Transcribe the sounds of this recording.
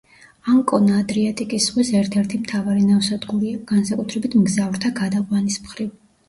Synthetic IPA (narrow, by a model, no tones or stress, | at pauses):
aŋkʼɔnːd̪ɾiat̪ʼikʼisχwisɛɾt̪ʰɛɾt̪ʰimt̪ʰavaɾinafsad̪ɡuɾiaɡ̥ansakʼut̪ʰɾɛbit̪ʰmɡzavɾt̪ʰaɡad̪aqʼwanismχɾiv